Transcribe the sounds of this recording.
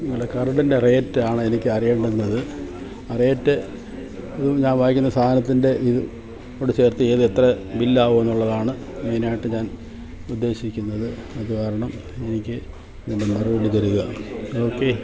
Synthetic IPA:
ɲiŋːɐɭekɐrɐɽindere̞ːtːaːɳɨenikʲːɨɐrijeːɳɖɐnːɐðɨ | reːtːɨ | ɐðumɲaːnʋaːjikʲːunːɐst̪ʰaːd̪ɐnɐt̪ːinde̞ʔiðɨ | oɽet͡ɕe̞ːrt̪ːɨe̞ːðɨet̪rɐbilːaːʋumenːuɭːɐðaːɳɨ | me̞ːnaːjiʈːɨɲaːn | ud̪ːe̞ːɕikʲːunːɐðɨɐðukaːɾɐɳɐm | enikʲːɨ | ninːemiruʋɐɽit̪ɐɾuɣɐoːkːe

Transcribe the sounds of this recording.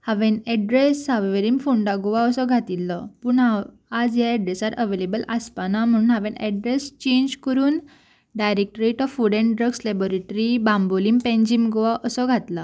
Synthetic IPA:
haʋẽnɛɖɾesaʋʋeɾimfuɳɖaɡoʋaəsɔɡʱat̪ilːɔpuːɳa | ad͡zjaɛɖɾesaɾəʋelebəlʔaspanam̤əɽ̃uːnɦaʋẽnɛ̰ɖɾest͡ɕẽɲd͡ʑkəɾuːn | ɖajɾek̚ʈɾeʈɔfuɽẽɳʈɖɾəɡslebɔɾeʈɾibãmbolimpẽɲd͡ʑimɡoʋaʔəsɔɡʱat̪la

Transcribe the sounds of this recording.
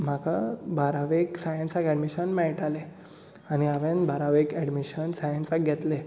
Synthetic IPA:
m̤akabʱaɾaʋeksajə̃nsakɛɽmiɕənmɛɭʈale | añiaʋẽnbʱaɾaʋekɛɽmiɕənsajənsak̚ɡʱet̪le

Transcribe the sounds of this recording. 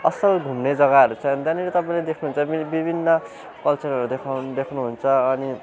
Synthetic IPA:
ʌsʌlɡʱumned͡zʌɡaʌɾut͡sʰʌ̃ʌnd̪aniɾet̪ʌpaĩled̪ekʰnuɦunt͡sʰʌibibʱinːʌ | kʌlt͡sʌɾʌɾud̪ekʰd̪ekʰnuɦunt͡sʰʌːni

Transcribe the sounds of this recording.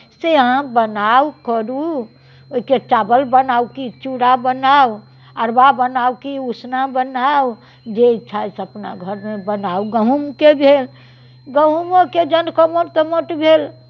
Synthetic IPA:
seɦãbənaukəɾu | oiket͡ʃabəlbənaukit͡ʃuɽabənau | aɾbabənaukiusnabənau | d͡ʒet͡ʃʰasəpna̰ɡʱəɾmebənauɡəɦumkebʱel | ɡəɦumoked͡ʒənkomoɾt̪omoʈbʱel

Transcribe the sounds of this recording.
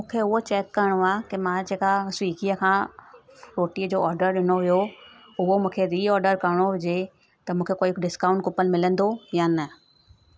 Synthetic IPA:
mũːkʰeʊɦot͡ɕɛːkːɐɾɪɽ̃oaːkɪmãːd͡ʑeːkaswiːkiəkʰãː | ɾoːʈiəd͡ʑoːɔːɾɖəɾɗɪnoʋijo | ʊɦomũːkʰeɾiːɔːɾɖəɾkɐɾɪɽ̃oɦʊd͡ʑe | t̪ɐmũːkʰekoːɪkɖɪskãːʊ̃ɳʈ̚kʊpənmɪlə̃nd̪ojanɐ

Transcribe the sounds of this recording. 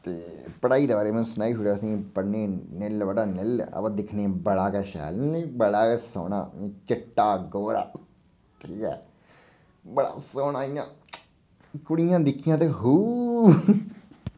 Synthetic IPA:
t̪eː | pəɽaːiːd̪eːbaːɾeːmɛnũsʊnaːiːɦuɽaːəsĩːpəɽneːnɪlʋəɽaːnɪlə̰pãd̪ɪkʰneːbəɽaːkɛːʃɛ̰ːlebəɽaːkɛːso̰ːna̰ːt͡ʃɪʈːaːɡoːɾa̰ː | ʈʰiːkɛ̰ː | bəɽa̰ːsoːnaːijãː | kʊɽijãːd̪ɪkʰːijãːt̪eːɦuː

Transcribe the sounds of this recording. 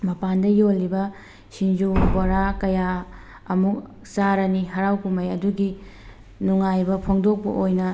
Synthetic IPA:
mɐpandɐjolːibɐ | sind͡ʒuboɾakɐja | ɐmuk̚ | saɾɐniɦɐɾawkumɐjɐduɡi | nuŋajbɐpʰoŋdok̚pɐ̰ʔojnɐ

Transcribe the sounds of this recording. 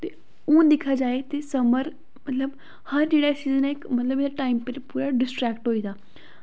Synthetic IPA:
t̪eː | ũːd̪ɪkʰaːd͡ʒaːet̪esəməɾ | mɐt̪ləb | həɾd͡ʒeːɽaːsiːzənɛɪkmət̪ləbɪʈaːɪmpeɾpuːɾaɖɪsʈɾɛːkʈɦoːiːd̪aː

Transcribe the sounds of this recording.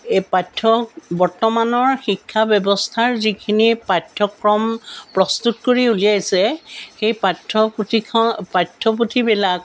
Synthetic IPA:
patʰːɔbɔɹtɔmanɔɹxikʰːabjɔbɔstʰaɹzikʰinipatʰːɔkɹɔmpɹɔstutkoɹiulijajsɛxejpatʰːɔptʰikʰɔpatʰːɔputʰibɛlak

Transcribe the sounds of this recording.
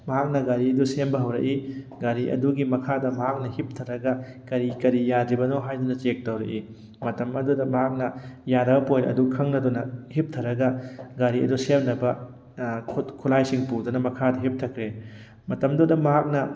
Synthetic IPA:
mɐɦak̚nɐɡaɾiɐdusembɐɦɐwɾɐ̰ʔi | ɡaɾiʔɐ̰duɡimɐkʰadɐmɐɦak̚nɐhip̚tʰɐɾɐɡɐkɐɾikɐɾijadɾibɐnoɦajdunɐt͡ʃek̚tɐwɾɐ̰ʔi | mɐtɐmɐdudɐmɐɦak̚nɐjaɾɐbɐpojlɐ̰dukʰɐŋnɐdunɐhip̚tʰɐɾɐɡɐɡaɾiɐ̰dusemnɐbɐ | kʰulajsiŋpudunɐmɐkʰadɐɦip̚tʰɐkʰɾe | mɐtɐmdudɐmɐɦak̚nɐ

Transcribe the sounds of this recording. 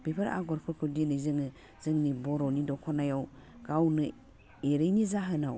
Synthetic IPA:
b̥ipʰɯɾa̰ɡɔɾkʰuɾkʰudinɯzɯŋɯ | z̥ɯŋnibɔɾɔwnidɔkʰɔnajawɡ̥awnɯ | eɾejnizaɦɯnaw

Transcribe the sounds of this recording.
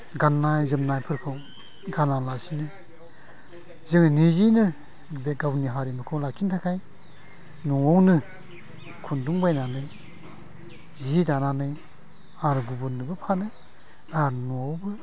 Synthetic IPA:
ɡanːajzɯmnajpʰɯɾkʰɯw | ɡanalasinɯ | zɯŋnizinɯ | beɡawniɦaɾimɯkʰɔwlakʰintʰakʰaj | nuawnɯ | kʰunduŋbajnanɯj | zidananɯj | aɾɡubɯnɯbɯpʰanɯ | aɾnuɔwbɯ

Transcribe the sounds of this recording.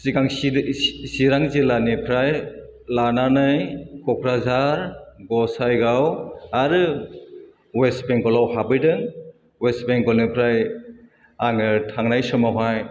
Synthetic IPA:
siɡaŋ | siɾaŋzelanipʰɾaj | lananɯjkɔkʰɾazaɾɡɔsajɡawaɾɯ | wesbeŋkɔlawhabɯjdɯŋ | wesbeŋɡɔlnipʰɾaj | aŋɯtʰaŋnajsɔmawɦaj

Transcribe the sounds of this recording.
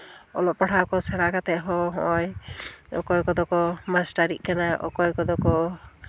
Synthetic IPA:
ɔlɔʔpaɽ̤ʰakɔsɛɽakat̪ɛʔɦɔɦɔjɔkɔjkɔd̪ɔkɔmasʈaɾiʔkanaʔɔ̰kɔjkɔd̪ɔkɔ

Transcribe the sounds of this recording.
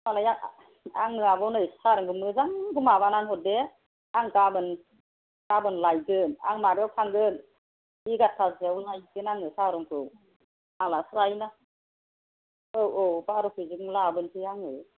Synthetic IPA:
malaja | aŋːɯabɔnɯjsaɾɯŋkʰɯmɯzaŋkɯmabananhɔt̚de | aŋkabɯn | kabɯnlajɡɯna̰ŋnabawkʰaŋɡɯn | iɡat̚ʰazawlajɡɯnaŋɯsaɾɯŋkʰɯw | aŋlasɾajna | ɯwʔowbaɾɯkɯzɯŋlabɯntʰɯjaŋɯ

